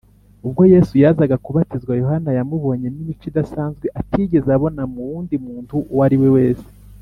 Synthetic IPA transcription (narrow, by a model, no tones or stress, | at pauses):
ub̚ɡo̞je̞sujaːzaɡakuβatizɡwajo̞hanajamuβo̞ɲe̞nimit͡ʃidasaːnzɡwe̞ʔatʰiːɟe̞zeaβo̞namuwuːndimuːntuwaɾiwewe̞ːse̥